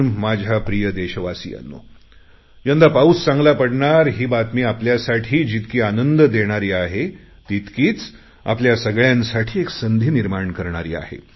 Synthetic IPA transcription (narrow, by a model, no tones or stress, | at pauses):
mad͡ʑʱapɾijəd̪eɕəʋasḭːja̰nːo̰ | jənd̪apaust͡sãŋɡlapəɽɳaɾɦiːbat̪miːapljasaʈʰiːd͡ʑit̪kiːanənd̪d̪eɽ̃aɾiːaɦe | t̪it̪kiːt͡s | a̰pljasəɡɭjansaʈʰiːeksənd̪ʱiːniɾmaɳkəɾɳ̃aɾḭːa̰ɦḛ